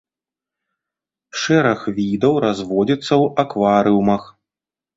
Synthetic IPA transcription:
ʂɛɾɐxvʲid̪ɐwɾazvɔd͡zʲit̪sːɐwakvaɾɨumɐx

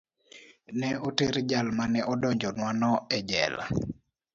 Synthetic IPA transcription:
nɛoteɾd͡ʒalmanɛʔɔdɔɲd͡ʒɔnwanɔɛd͡ʒɛ̰la̰

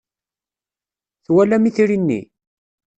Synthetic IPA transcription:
θwælæmiθɾinːḭ

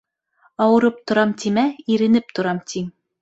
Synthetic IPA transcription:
ɑwɤ̆ɾɤp̚t̪ŏɾɑmt̪ʰimæiɾɘ̆nɘp̚t̪ŏɾɑmt̪ʰiŋ

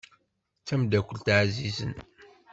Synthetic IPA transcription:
t͡sːæmd̪ækʷːəlt̪ʕzizə̰n

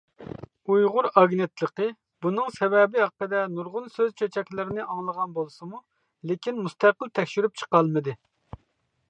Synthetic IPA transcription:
ujʁʊɾɑɡnɨt̪lˠəqə | b̥unɨŋsɛwɛbɪɦɑqːəd̪ɛnuɾʁʊnsøzt͡ʃʰøt͡ʃʰɛkʲlɪɾɪnɪʔɑŋlˠəʁɑnbolˠsɨmu | lekʲinmust̪æqəlˠt̪ʰɛkʲʃyɾyp̚t͡ʃʰə̥qɑlˠmɨd̪ɨ

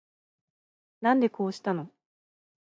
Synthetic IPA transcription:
nãnd̪e̞ko̞ːɕi̥t̪ano̞

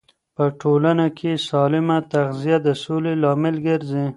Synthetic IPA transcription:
pəʈʰolanakʰesɑlɪmat̪aɣzijad̪əsolelɑmɪlɡəɾzi

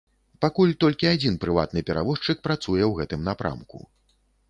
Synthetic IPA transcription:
pakulʲt̪ɔlʲkʲiad͡zʲinpɾɨva̰t̪nɨpʲɛɾa̰vɔʂt͡ʂɨk̚pɾat̪sujɛwɣɛt̪ɨmnapɾʔa̰mkṵ

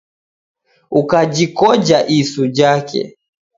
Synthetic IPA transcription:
ukad͡ʒikɔd͡ʒaʔisud͡ʒakɛ̰

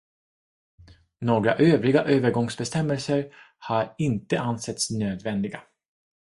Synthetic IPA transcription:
noːɡɾa̰ʔøːvɾɪɡaʔøːvəɾɡɔŋsbɛst̪ɛmːɛlsəɾ | haɾɪnt̪əʔansɛt̪snøːd̪vɛnd̪ɪɡa

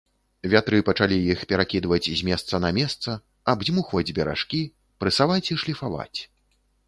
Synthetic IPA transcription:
vʲat̪ɾɨpɐt͡ʂalʲijixpʲɛɾakʲid̪vɐt͡sʲzʲmʲɛst̪sɐnɐmʲɛst̪sɐ | abzʲmuxvɐd͡zʲbʲɛɾa̰ʂkʲi | pɾɨsavat͡sʲiʂlʲifava̰t͡sʲ

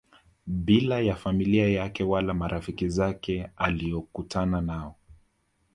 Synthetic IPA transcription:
bilajafamiliajakɛwalamaɾʔafikizakɛaliɔkutʰananaɔ

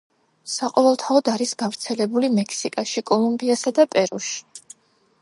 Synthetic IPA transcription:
saqʼɔvɛlˠt̪ʰaɔd̪aɾisɡavɾt̪sʰɛlɛbulimɛkʰsikʼaʃikʼɔlˠumbiasad̪apʼɛɾuʃi̥

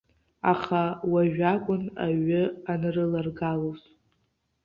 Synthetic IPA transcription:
aχawaʒᶣakʷʼʊnaɥɨanɨrɨlarɡaloz

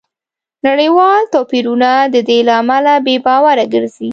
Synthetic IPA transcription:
naɽəjwɑlt̪ɑpiɾunad̪əd̪elaːmalabebɑwaɾaɡəɾzi

